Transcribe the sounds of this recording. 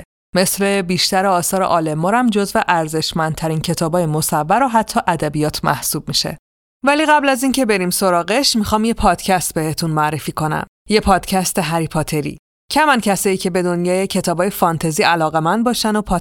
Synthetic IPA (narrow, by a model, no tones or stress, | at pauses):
me̞sle̞biːʃt̪æɾeɒːsɒːɾeʔɒːlemːɒːɾæmd͡ʒozveʔæɾze̞ʃmæn̚t̪ʰæɾincʰe̞t̪ʰɒːbɒːjemo̞sævːæɾoɦæt̪ʰːɒːʔæd̪æbijɒːt̪ʰmæ̰hsuːb̥̚miʃe̞̰ | væliːɣæblæzincʰe̞be̞ɾimso̞ɾɒːɣeʃmixɒːmje̞pʰɒːd̪̥cʰæst̪̚be̞het̪ʰunmoæɾːefiːko̞næ̰m | je̞pʰɒːd̪̥cʰæst̪e̞ɦæɾipʰɒːt̪ʰe̞ɾḭː | cʰæmæncʰæsɒːjiːcʰe̞be̞d̪o̞njɒːjecʰe̞t̪ʰɒːbɒːjefɒːnt̪ʰeziːʔælɒːɣe̞mænd̪̚bɒːʃænopʰɒ